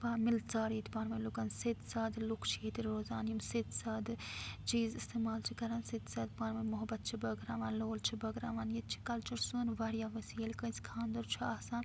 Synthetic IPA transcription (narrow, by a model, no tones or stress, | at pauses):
paːmilt͡saːɾjet̪ipaːɾmɐlukɐnset̪saːd̪lukʰt͡ʃʰijet̪iɾɾoːzaːnjumset̪saːd̪ɨt͡ʃiːzist̪eːmaːlt͡ʃʰikɐɾaːnset̪saːd̪paːɾmɐmʊɦɐbɐt̪̚t͡ʃʰibɐɡɾaːʋaːnloːlt͡ʃʰibɐɡɾaːʋaːnjet̪̚t͡ʃʰi̥kɐlt͡ʃɐɾsuːnʋɐɾijaːʋɐsiːɐlkɐ̃nskʰãːnd̪ɐɾt͡ʃʰiaːsaːn